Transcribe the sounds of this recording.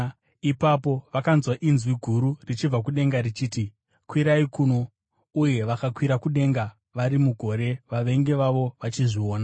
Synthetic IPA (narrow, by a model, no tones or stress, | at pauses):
ipapo̞ʋakanzwaʔinzwiɡʱuɾurit͡ʃib͡vak̬uɗe̞ŋɡaɾit͡ʃiːti | kwiɾaikuno̞ | uje̞ʋakakwiɾakuɗe̞ŋɡa | ʋaɾimuɡʱo̞ɾe̞ʋaʋe̞ŋɡe̞ʋaʋo̞ʋat͡ʃiʐio̞ːna